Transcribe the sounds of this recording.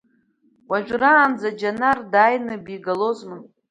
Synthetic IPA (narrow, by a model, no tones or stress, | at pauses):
wʷaʒᶣʷraːnd͡zad͡ʒanardaːjnɨbiɡalo̞zmɨn